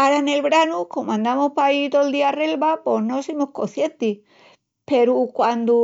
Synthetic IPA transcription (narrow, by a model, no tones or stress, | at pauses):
aɾane̞lβɾanuko̞mãnd̪amohpait̪old̪iare̞lβapo̞ɦno̞simohko̞̰θje̞nt̪i | pe̞ɾukwand̪u